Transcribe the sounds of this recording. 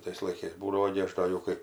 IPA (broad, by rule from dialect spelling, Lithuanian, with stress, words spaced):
ˈtɐɪs lˠɐɪˈkɐɪs ˈbuːdɐʋoː ɡʲɪ ˈɐʃ ˈdoː jɛʊ ˈkɐɪ